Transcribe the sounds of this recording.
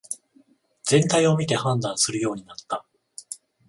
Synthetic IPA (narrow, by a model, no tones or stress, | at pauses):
z̥ẽ̞nt̪aio̞mʲit̪e̞hãnd̪ãɰ̃sɨɾɯ̟jo̞ːɲ̟inat̪ːa